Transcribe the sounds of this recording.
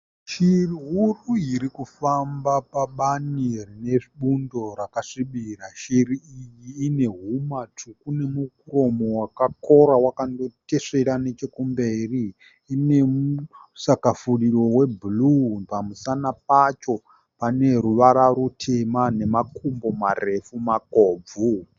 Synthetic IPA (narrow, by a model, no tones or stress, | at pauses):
ʃiriɦuruiɾikufambapaɓanirine̞ʐiɓundo̞ɾakaʂiɓiraʃiɾiijiːne̞ɦumat͡ʂukune̞muk̚uɾo̞mo̞wakako̞ɾawakando̞te̞ʂe̞ɾane̞t͡ʃe̞kumbe̞riː | ne̞mu | sakafuɗiro̞we̞bulupamusanap̚at͡ʃo̞ | pane̞ɾuʋaɾaɾutʰe̞mane̞makʰumbo̞mare̞fumakoːb͡vu